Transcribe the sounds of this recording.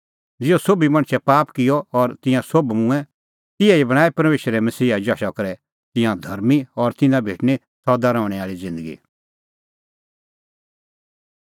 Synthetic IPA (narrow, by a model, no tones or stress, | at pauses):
d͡zɪɔsobimɐ̃ɽ̃sʰɛpaːpkɪjɔɔɾt̪ɪ̃jãsobmʊ̃ɛ̃ | t̪ɪjãibɐɽ̃aːipɐɾmeːʃɾɛmɐsiːad͡ʒaːʃakɐɾɛ | t̪ɪ̃jãd̪ʱɐɾmiɔɾt̪ɪ̃nãbʱeːʈni | sɔd̪aɾɔ̃ːʊɽ̃ɛaːɭid͡zɪ̃nd̪əɡḭ